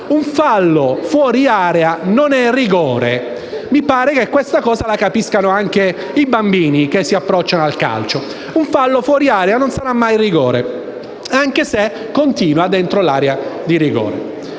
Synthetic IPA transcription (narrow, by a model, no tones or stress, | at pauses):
uɱfalːofwɔːɾiaːɾeanonɛriɡɔːɾḛ | mipaːɾekekːwest̪akɔːzalakapiskanoaŋk̟e | ibambiːnik̟esːiapːɾɔt͡ʃːanoalka̰lt͡ʃo | uɱfalːofwɔːɾiaːɾeanonsaɾamːajriɡɔːɾe | aŋkese | kːont̪iːnwad̪ent̪ɾolaːɾead̪iɾiɡɔ̰ːɾḛ